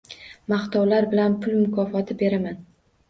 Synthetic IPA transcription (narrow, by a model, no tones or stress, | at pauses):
maχt̪ʰɒwlaɾbɪlanpʰʊlmʊkʰɒfɒt̪ʰɪbe̞ɾaman